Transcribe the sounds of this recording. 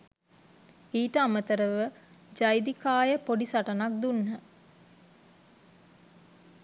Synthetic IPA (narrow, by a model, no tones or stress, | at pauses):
iːʈəamət̪əɾəʋəd͡ʒajd̪ikaːjəpoɖisaʈənak̚d̪unːə